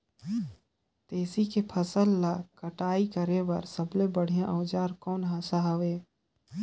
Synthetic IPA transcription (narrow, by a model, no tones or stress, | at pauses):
t̪eːsikepʰəsəlːakəʈaːikəɾewə̰ɾsəblebəɽ̤ijãʔəːd͡ʒaːɾkɔːnɦaːsaɦəʋeː